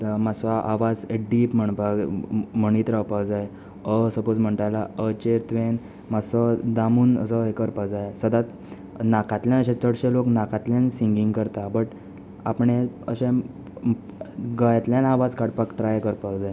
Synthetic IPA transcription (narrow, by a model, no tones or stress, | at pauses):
t̪masʋaʔaʋad͡zeɖiːpm̤əɳpaɡm̤əɳ̃iːt̪ɾawpawd͡zaj | əsəpod͡zm̤əɳʈajlaət͡ɕeɾt̪ʋen | masd̪amuːnə̰sɔɦekəɾpəd͡zajsəd̪at̪ | nakat̪ljanəɕẽt͡səɽɕẽloknakat̪ljãnsiŋɡiŋɡkəɾt̪abəʈ | apɳeəɕẽ | ɡəjat̪ljãnaʋad͡zkaɽpakʈɾajkəɾpakd͡zaj